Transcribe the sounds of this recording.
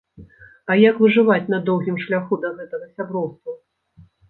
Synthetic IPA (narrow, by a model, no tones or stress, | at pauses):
ɐjakvɨʐɨvat͡sʲn̪ɐd̪ɔwɣʲimʂlʲaxud̪ɐɣɛt̪ɐɣɐsʲabɾɔwst̪vɐ